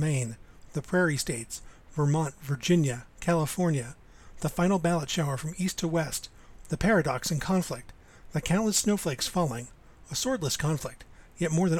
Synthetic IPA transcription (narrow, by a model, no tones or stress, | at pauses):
mẽɪ̃nðɨpʰɹ̥ɛɹisteɪtsv̥ə˞mɑ̃ntvə˞d͡ʒɪ̃njɨkʰælˠəfɔɹnjɨ | ðəfãɪ̃nl̩ˠbælˠətʃaʊə˞fɹʌ̃mistʰəwɛst | ðɨpʰɛɹɨdɑksɨ̃n̩kʰɑ̃ɱflɪk̚t̪̚ | ðɨkʰãʊ̃nʔləsnoʊfleɪksfɑlˠɪ̃ŋ | əsɔɹdˡləskʰɑ̃ɱflɪk̚t̚jɛt̚mɔɹðɨ̃n